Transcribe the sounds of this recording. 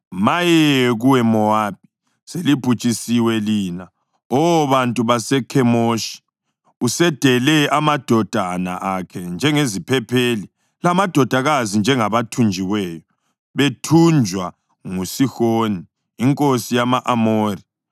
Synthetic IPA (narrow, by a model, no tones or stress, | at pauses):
majɛɛɣuwɛmɔab̥̚ʱi̥ | selipʰut͡ʃʼisiwɛliːna | ɔwɔβantʼuβasɛkʰɛmoʃi̥ | usɛd̥ʱɛlɛamad̥ʱɔd̥ʱana̰ʔakʰɛnd͡ʒʱɛŋezipʰɛpʰeli | lamad̥ʱɔd̥ʱaɣazind͡ʒʱɛŋaβatʰund͡ʒʱiwɛːjɔ | βetʰund͡ʒʱwa | ŋusixoniː | ŋkʼosijamaʔamoːri